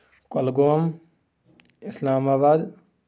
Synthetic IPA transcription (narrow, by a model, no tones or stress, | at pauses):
kɐlɡoːm | ɪslaːmaːbaːd̪